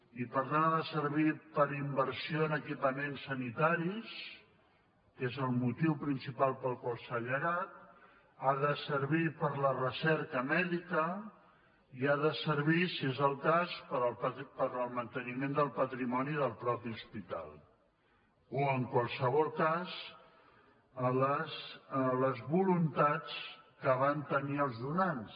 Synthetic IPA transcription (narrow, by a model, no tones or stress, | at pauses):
ipəɾt̪anaðəsəɾβipəɾimbəɾsioənəkipəmensːənit̪aɾis | kezəlˠmut̪iwpɾinsipalˠpəlˠkulˠsəʎəɣat̪̚ | aðəsəɾβipəɾlərəsɛɾkəmɛðikə | iaðəsəɾβisiezəlˠkaspəɾəlppəɾəlˠmənt̪ənimend̪əlˠpət̪ɾimɔniðəlˠpɾɔpiuspit̪a̰lˠ | oəŋkwalˠsəβ̞ɔlˠkaz | ləsləzβulunt̪at͡skəβ̞ant̪əniəlˠzðunans